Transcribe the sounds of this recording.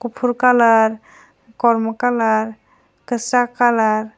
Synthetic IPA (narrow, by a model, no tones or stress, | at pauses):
kupʰuɾkalaɾ | kɔɾmɔkalaɾ | kəsɾakalaɾ